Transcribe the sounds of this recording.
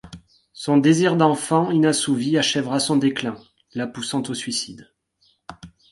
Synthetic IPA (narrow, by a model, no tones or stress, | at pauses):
sɔ̃d̪eziʁd̪ɑ̃fɑ̃ynãsuviaʃɛvʁasɔ̃d̪eklɛ̃ | lapusɑ̃t̪osɥisid̪